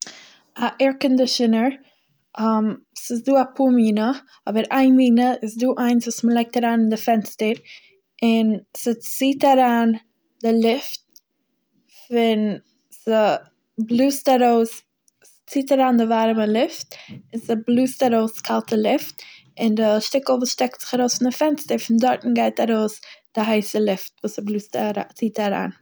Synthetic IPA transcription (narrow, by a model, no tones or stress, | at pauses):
aʔɛɹkəndəʃɪnəɹ | am | sɪsduːapʰuːmiːnə | ɔbəɾʔaɪnmiːnəɪsduːʔaɪnsvuːsməlˠaɪk̚taɾaːnɪndɪfɛnstəɾ | ʔɪnsət͡siːtaɾaːn | dɪlˠɪft̚ | fɪn | sə | blˠuːstaɾoʊs | t͡siːtaɾaːndɪvaɾməlˠɪftɪnsəblˠuːstaɾoʊskʰalˠtəlˠɪft | ɪndɪʃtɪkl̩ˠvuːsʃtɛk̚tz̥ɪ̥χaɾoʊsfɪndɪfɛnstəɾfɪndɔɾtn̩ɡaɪtaɾoʊsd̥ɪɦaɪsəlˠɪftvuːsəblˠuːstaɾat͡siːtaɾa̰ːn